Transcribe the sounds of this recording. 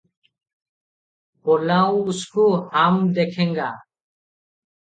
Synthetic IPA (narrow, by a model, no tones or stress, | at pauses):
bɔlawuskuhamd̪ɛkʰɛŋɡa